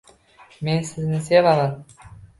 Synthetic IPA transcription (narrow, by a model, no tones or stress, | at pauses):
mensɪznɪs̬evɑlˠɑt̪